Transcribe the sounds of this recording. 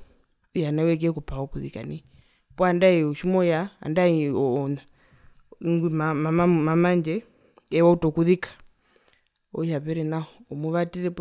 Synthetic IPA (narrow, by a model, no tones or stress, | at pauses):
ujanawɛk̬ɛkɔpawɔkuðika̰ni | pɔandaɛuʃimɔjaa̰ndaina | iŋɡimaammamaɲd͡ʒɛ | ɛwautɔkuðikḁ | ɔ̰japɛɾɛnaɔɔmuβatiɾɛp